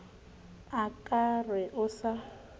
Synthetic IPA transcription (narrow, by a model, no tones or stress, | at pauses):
akʼarɛʔʊsa